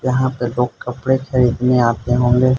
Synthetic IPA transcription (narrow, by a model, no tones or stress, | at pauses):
jɐɦãpeloːɡkɐpɽexɐɾiːd̪neaːt̪eɦõːŋ̆ɡeː